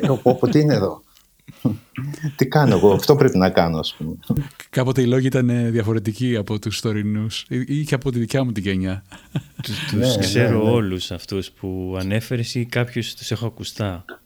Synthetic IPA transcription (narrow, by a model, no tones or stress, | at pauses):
opopot̪iineeðo̞ | t̪ikɐnoeɣoɐft̪o̞pɾepinɐkɐnoɐspumekɐpo̞t̪e̞ilo̞ʝiit̪ɐneðʝɐfo̞ɾe̞t̪iciɐpo̞t̪ust̪o̞ɾinusiceɐpo̞t̪iðicɐmut̪iʝeɲɐt̪t̪uskse̞ɾo̞olusɐft̪uspuɐne̞fe̞ɾesikɐpçost̪u̥se̞xo̞ɐkust̪ɐ